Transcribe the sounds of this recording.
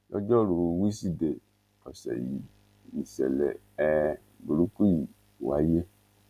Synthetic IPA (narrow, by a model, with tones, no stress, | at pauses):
jɔ̰˦d͡ʒɔ˦lu˨˧wi˦si˦de˨ | ɔ˨sɛ̰˨jḭ˨˦ | i˨sɛ̰˨lɛ̰˨ | ɛ˨ | bu˨ɾu˦ku˦ji˨ | wa˨˦je˦